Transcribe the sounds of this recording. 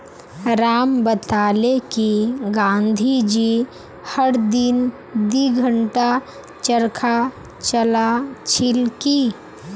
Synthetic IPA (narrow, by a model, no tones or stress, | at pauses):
ɾaːmbət̪aːlekiɡãːnd̪ʱid͡ʒi | həɾd̪ɪn | d̪iːɡʱəɳʈa | t͡ʃəɾkʰa | t͡ʃəlat͡ʃʰɪlki